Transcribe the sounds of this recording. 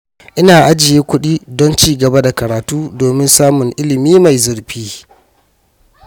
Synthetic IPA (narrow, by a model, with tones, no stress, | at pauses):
ʔɪ˦naː˨ʔa˦d͡ʒɪ˨jeː˦kʷʊ˦ɗiː˦dɔ˦nt͡ʃiː˦ɡɐ˨ba˦da˨kɐ˨ɾaː˨tuː˦doː˨mɪ˦nsaː˦mʊ˨ŋʔɪ˦lɪ˨miː˦ma˨jzʊ˨ɽɸiː˦